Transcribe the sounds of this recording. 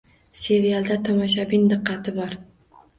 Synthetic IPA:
se̞ɾialˠd̪at̪ʰɒmɒʃ̬abɪnd̪ɨqːɑt̪ʰɪbɒɾ

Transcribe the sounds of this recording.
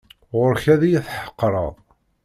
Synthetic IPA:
ʁʊɾçæðijæθħə̥qːɾˤɑ̰ðˤ

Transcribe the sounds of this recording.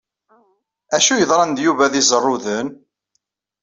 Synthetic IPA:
æʃujəðˤɾˤɑnd̪juvæðɪzˤərˤːʊðən

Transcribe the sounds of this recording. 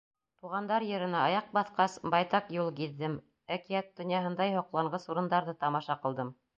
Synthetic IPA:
t̪uʁɑnd̪ɑɾjɤ̆ɾɤ̆nɑɑjɑq̚bɑθqɑsbɑjt̪ɑqjulˠkiðːɘm | ækijæt̪̚d̪ŏnjɑɦɤ̆nd̪ɑjhŏqlˠɑɴɢɤsuɾɤ̆nd̪ɑɾðɤt̪ɑmɑʃɑqɤ̆lˠd̪ɤm

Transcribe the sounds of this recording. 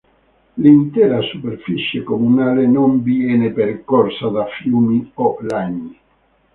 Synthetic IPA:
lint̪ɛːɾasupeɾfit͡ʃjekomunaːlenombieːnepeɾkɔɾsad̪afjuːmiɔlaɲːi

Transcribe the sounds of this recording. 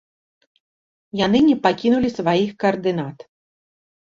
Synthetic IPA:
jan̪ɨnʲɛpakʲinulʲisvajixkɐɐrd̪ɨn̪at̪

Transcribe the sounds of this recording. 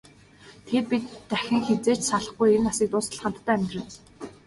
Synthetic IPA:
t̪ʰer̚pit̪ːæxʲɪ̆ŋxet͡seːt͡ɕsaɮə̆χɡujenasiːkt̪ʊːsə̆ɮχə̆an̥t̪ːæːmʲt̪rɘ̆n

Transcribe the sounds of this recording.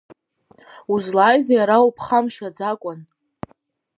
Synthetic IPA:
uzlaːjzajaɾaupʰχamʃad͡zakʷʼʊn

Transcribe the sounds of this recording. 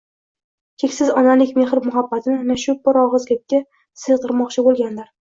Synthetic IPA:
kʲʰekʲsɪzɒnalɪkʲme̞hɾmʊɦabːat̪ʰɪnɪnaʃʊt̪̚bɒɾɒʁɨzɡʲap̚kʲa | sɨzt̪ʰɨɾmɒqt͡ʃʰɪbolˠɡʲand̪aɾ

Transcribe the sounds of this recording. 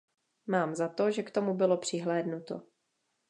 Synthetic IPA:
maːmzat̪o̞ʒɛkt̪o̞mubɪlo̞pr̝̥ɪɦlɛːdnut̪o̞̰

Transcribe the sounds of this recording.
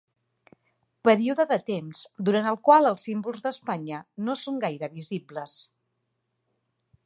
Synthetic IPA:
pəɾiuðəðət̪emzd̪uɾant̪əlˠkwalˠəlˠsimbulˠzðəspaɲənosoŋɡajɾəβizibləs

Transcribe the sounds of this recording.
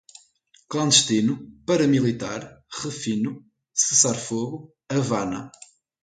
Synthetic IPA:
klˠɐ̃nd̪ɨʃt̪inupɐɾɐmilˠit̪aɾʁɨfinu | sɨsaɾfoɣu | ɐvanɐ̰

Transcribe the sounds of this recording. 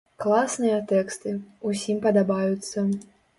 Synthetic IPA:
klˠasnɨjɐt̪ɛkst̪ɨusʲimpɐd̪abajut̪sːɐ

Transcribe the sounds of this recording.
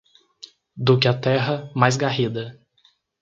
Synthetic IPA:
d̪ʊkɪɐt̪ɛɦɐmajzɡahid̪ɐ

